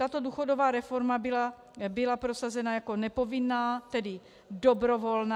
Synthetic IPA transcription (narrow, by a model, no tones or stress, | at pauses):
t̪at̪o̞duːxo̞dovaːɾɛfo̞ɾmabɪla | bɪlapɾosazɛnajako̞nɛpo̞vɪnːaːt̪ɛdɪ | dobɾo̞vo̞lna